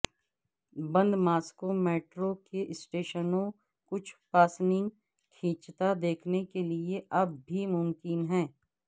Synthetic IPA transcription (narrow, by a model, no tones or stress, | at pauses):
bɐ̃nd̪maːskomeːʈɾokeʔɪsʈeːʃənõ | kʊt͡ʃʰpaːsnɪ̃ŋɡ | kʰĩːt͡ʃt̪ad̪eːkʰnekelieʔɐbːʱimʊmkɪnɦɛ̃ː